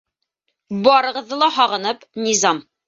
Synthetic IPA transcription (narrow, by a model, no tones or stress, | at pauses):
bɒɾɤ̆ʁɤ̆ðːɤlˠɑɦɑʁɤ̆nɤpnizɑm